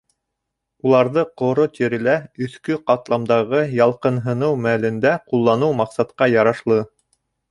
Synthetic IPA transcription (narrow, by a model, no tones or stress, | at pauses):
ulˠɑɾðɤqŏɾot̪iɾɘ̆læɵ̆θkɵqɑt̪lˠɑmd̪ɑʁɤjɑlˠqɤ̆nɦɤ̆nɤwmælɘ̆nd̪æqulˠːɑnɤwmɑqsɑt̪qɑjɑɾɑʃlˠɤ